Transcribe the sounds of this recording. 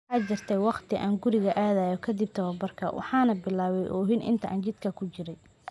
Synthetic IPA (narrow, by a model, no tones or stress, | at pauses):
ħɑːt͡ʃɪrt̪ʰɛjwɑqt̪ʰɪʔa̰ːŋɡʊɾɪɣɐʔaːðɐjɔkʰɐd̪ɪb̚t̪ʰɐβɐbɐrkʰɐ̰wʔɑ̰ħɑːnɐbɪlaːβɛjʔɔːɦɪnʔɪ̰nt̪ʰɐʔa̰ːnt͡ʃɪd̪̥kʰɐkʰʊt͡ʃɪɾɛj